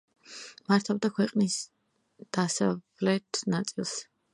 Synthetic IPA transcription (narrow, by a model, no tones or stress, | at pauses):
maɾt̪ʰavd̪akʰwɛqʼnis | d̪̥asa | lɛt̪ʰnat̪sʼilˠs